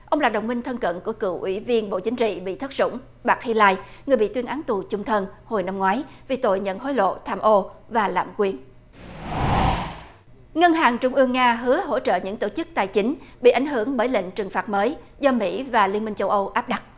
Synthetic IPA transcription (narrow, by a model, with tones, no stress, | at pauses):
ʔə˧wŋ͡mlaː˨˩ɗə˨˩wŋ͡mmï˧ŋ̟t̪ʰə˧nkə̰˧˨nku˧˩əkɨ̰˧˩ʔwḭ˧˩vi˧ənɓo̰˧˨t͡ɕï˨˦ŋ̟t͡ɕḭ˧˨ɓḭ˧˨t̪ʰə˦˥t̚z̥ʊ̰˧˥ŋ͡m | ɓaː˨˩k̚hi˧laː˧jŋɨ˨˩əjɓḭ˧˨t̪wənʔaː˨˦nt̪u˨˩t͡ɕʊ˧ŋ͡mt̪ʰə˧nho˨˩jna˧mŋwaː˨˦jvi˨˩t̪o̰˧˨jɲə̰˧˨nɦo˨˦jlo̰˧˨t̪ʰaː˧mʔo˧vaː˨˩la̰ː˧˨mkwi˨˧ən | ŋə˧nɦaː˨˩ŋt͡ɕʊ˧ŋ͡mʔɨ˧əŋːaː˧ɦɨ˨˦əɦo̰˧˥t͡ɕə̰ː˧˨ɲɨ̰˧˥ŋt̪o̰˧˩t͡ɕɨ˦˥k̚t̪aː˨˩jt͡ɕï˨˦ŋ̟ɓḭ˧˨ʔa˨˩jŋ̟ɦɨ˧˩əŋɓəː˧˩jlḭ˧˨ŋ̟t͡ɕɨ˨˩ŋfaː˨˩t̚məː˨˦j | zɔ˧mḭ˧˥vaː˨˩li˧ənmï˧ŋt͡ɕə˧wʔə˧wʔaː˦˥p̚ɗa˦˥k̚